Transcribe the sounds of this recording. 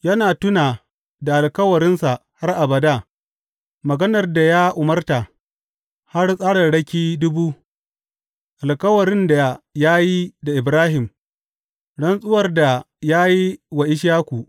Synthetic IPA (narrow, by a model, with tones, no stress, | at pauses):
jɐ˦naː˨tʊ˦naː˨ | da˨ʔa˨lkɐ˦wɐ˨ɾɪ˦nsa˨ha˦rʔa˨bɐ˨da˦˨ | mɐ˨ɡɐ˦nɐ˨rda˨jaː˦ʔʊ˨mɐ˦rta˨ | ha˦rsʼaː˦ɽɐ˨ɽɐ˦kʲiː˦dʊ˦buː˦ | ʔa˨lkɐ˦wɐ˨ɾɪ˦nda˨jaː˦ji˦da˨ʔɪ˨bɾaː˦ɦɪ˨m | ɽɐ˦nsʼʊ˦wɐ˨rda˨ | jaː˦ji˦wa˨ʔɪ˦ʃaː˦kʷu˨ʔ